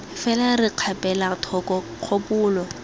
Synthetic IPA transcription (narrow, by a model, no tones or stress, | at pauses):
fɛlarɪq͡χʰapɛlatʰɔkɔ | q͡χʰopʊːlɔ